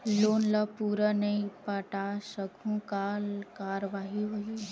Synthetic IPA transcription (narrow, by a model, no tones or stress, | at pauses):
loːnlapuːɾənɐipaʈasəɡʱũkaːlkaːɾʋaːɦiɦoi